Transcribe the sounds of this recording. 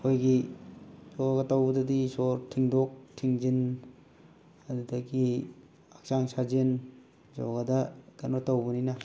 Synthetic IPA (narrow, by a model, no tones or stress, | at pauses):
hojɡi | zoɡɐtawbudɐdisoɾtʰiŋdok̚tʰiŋd͡ʒin | ɐdudɐki | ak̚saŋsʰad͡ʒen | d͡ʒɔ̰ɡɐdɐɡ̥ɐnotawbuninɐ